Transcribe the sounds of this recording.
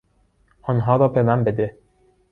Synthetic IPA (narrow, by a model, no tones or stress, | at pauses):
ʔɒːnɦɒːɾɒːbemænbed̪e